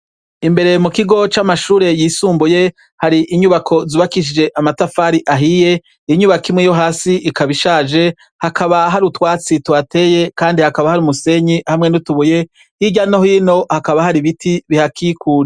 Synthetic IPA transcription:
imbe̞ɾe̞mukiɡo̞t͡ʃamaʃuːɾe̞jiːsuːmbuje̞ | haɾiʔiɲuβakʰo̞zuβakiʃ̬id͡ʒe̞ʔamatafaɾiʔaɦije̞ | iɲuβakimŋejo̞ɦaːsiikaβiʃaːd͡ʒe̞ | hakaβaɦaɾutwaːt͡sitwate̞ːje̞kaːndihakaβahaɾumuse̞ɲihamŋe̞nutuβuje̞ | hiɟanohino̞hakaβahaɾiβitʰiβihakikʰuːɾi

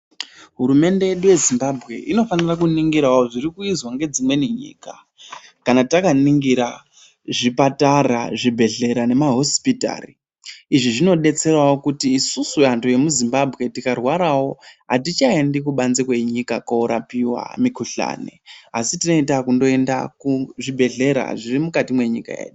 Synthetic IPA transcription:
ɦuɾume̞nde̞je̞ɗuje̞zimbabʱɣe̞ʔino̞fanirak̬uniŋɡiɾaoʐirikuizwaŋɡe̞d͡zimwe̞niɲḭːka | kanatakaniŋɡiɾa | ʐipataraʐibʱe̞ɮe̞ɾane̞maɦo̞spita̰ːriː | ʐiʐino̞ɗe̞t͡se̞rawokutiːsusuantoje̞muzimbabʱɣe̞tikarwaɾawo̞ɦatit͡ʃaendikuɓanzikweɲikakaoɾapiwa̰mikuɬa̰ːnḛasitino̞itakundo̞e̞ndakuʐibʱe̞ɮe̞ɾa̰ʐirimukatimwe̞ɲḭka̰jḛːɗu

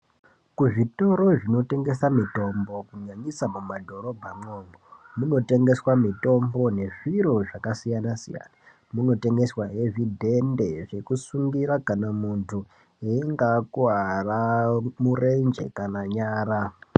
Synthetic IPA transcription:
kuʐito̞ɾo̞ʐino̞te̞ŋɡe̞samito̞mbo̞kuɲaɲisamumadʱo̞ɾo̞bʱamoːŋɡemuno̞te̞ŋɡe̞swamito̞mbo̞ne̞ʐiɾo̞ʐakasijanasḭja̰na | muno̞te̞ŋɡe̞swaɦe̞vidʱe̞nde̞ʐe̞kusuŋɡiɾakanamuntʰu | eŋɡakuaramure̞nd͡ʒḛkanaɲaːɾa

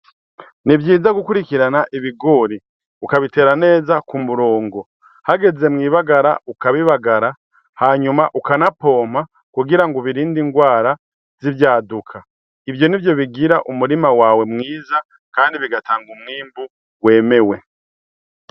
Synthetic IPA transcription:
nivjiːzaɡukuɾikiɾanaʔiβiɡo̞ːɾi | ukaβite̞ːɾane̞ːzakumuɾo̞ːŋɡo̞ | haɡe̞ze̞mŋiːβaɡaɾa̰ukaβiβaɡaɾa | haɲumaʔukanapo̞ːm̥a | kuɡiɾaŋɡoβiɾiːndiŋɡwaːɾa | zivjaːdukʰa | ivjo̞nivjo̞βiɡiɾaʔumuɾimawaːwe̞mŋiːza | kaːndiβiɡataːŋɡumŋiːmbu | we̞ːme̞we̞

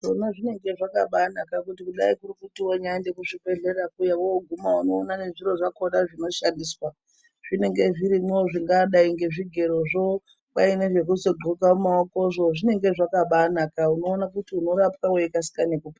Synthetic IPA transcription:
ʐonaʐine̞ŋɡe̞ʐakaɓanakakutikuɗa̰ikurukutiwoɲaandekuʐike̞ɮe̞ɾakujawowoɡʱumauno̞ːnane̞ʐiɾo̞ʐako̞ɗaʐino̞ʃandiswa | ʐ̥ine̞ŋɡe̞ʐiɾimweoʐiŋɡaɗaiŋɡe̞ʐiɡʱe̞ɾoʐo | ɓaineʐe̞k̬uzo̞ɡʱoɡʱaumaoko̞ʐo̞ʐine̞ŋɡe̞ʐakaɓanakauno̞ːnak̬utiuno̞ɾapkaweekasi̥kanekupa

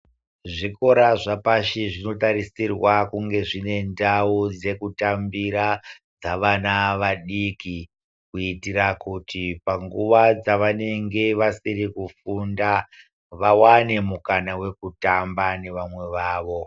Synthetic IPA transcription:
ʐiko̞ɾaʐapaʃiʐino̞taɾisirwakuŋɡe̞ʐine̞ndaud͡ze̞kutambiɾa | d͡zaʋanaʋaɗiki | kuitiɾakutipaŋɡuʋad͡zaʋane̞ŋɡe̞ʋasiɾikufunda | ʋawane̞mukanawe̞kutambane̞ʋamwe̞ʋaːʋo̞

